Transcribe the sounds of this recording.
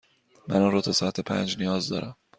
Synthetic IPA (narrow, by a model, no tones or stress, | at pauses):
mæ̰nunɾoːt̪ʰɒsɒat̪ʰepʰæ̰nd͡ʒnijɒːzd̪ɒ̰ːɾʔæm